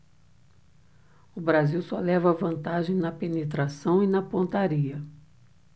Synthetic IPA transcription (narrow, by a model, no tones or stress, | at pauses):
ʊbɾaziwsɔlɛvɐvɐ̃nt̪aʒẽj̃nɐpenet̪ɾasɐ̃w̃inɐpõnt̪aɾiɐ